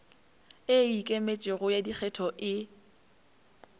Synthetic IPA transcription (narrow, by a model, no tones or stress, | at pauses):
ɪikʼemet͡ʃʼɪɣʊjadik͡xʰɛtʰɔʔɪ